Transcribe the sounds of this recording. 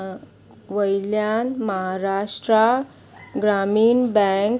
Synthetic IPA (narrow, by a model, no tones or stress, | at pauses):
ʋəjljanməɦaɾaʂʈɾa | ɡɾamiːnbɛ̃ŋk